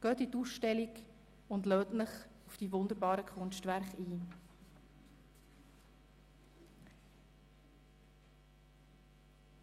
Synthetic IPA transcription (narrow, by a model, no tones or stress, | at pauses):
ɡ̥œːtituːsʃtɛlik | ʊndlœːtnəχufd̥iːvʊnd̪əɾbɑːɾəkʰʊnʃtvæɾχiː